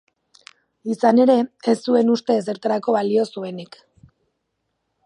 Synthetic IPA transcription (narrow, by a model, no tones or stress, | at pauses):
isane̞ɾe̞esːue̞nust̪e̞s̬e̞ɾt̪aɾako̞βalio̞sue̞nik